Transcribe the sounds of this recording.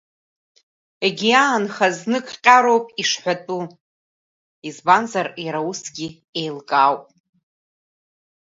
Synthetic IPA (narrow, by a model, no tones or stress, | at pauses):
eɡʲiaːnχaznɨkʼqʲʼaɾowpʼiʂħʷatʼu | izbanzarjaɾausɡʲi | ejlkʼawpʼ